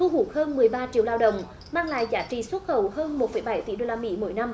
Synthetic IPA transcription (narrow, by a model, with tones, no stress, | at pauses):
t̪ʰu˧ɦu˨˩k̚həː˧nmɨ˨˩əjɓaː˧t͡ɕḭ˧˨əwlaː˧wɗə̰˧˨wŋ͡m | maː˧ŋla̰ː˧˨jzaː˨˥t͡ɕḭ˧˨swə˦˥t̚xə˧˩whəː˧nmo˨˩t̚fə˧˦jɓa˧˩˦jt̪i˧˩˦ɗo˧laː˧mḭ˧˥mo̰˧˩˦jna˧m